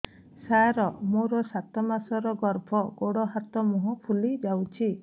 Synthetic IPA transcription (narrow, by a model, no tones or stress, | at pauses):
saɾɔmoɾɔsat̪ɔmasɔɾɔɡɔɾbʱɔɡoɽɔɦat̪ɔmɔɦɔpʰulid͡ʒawt͡ʃʰi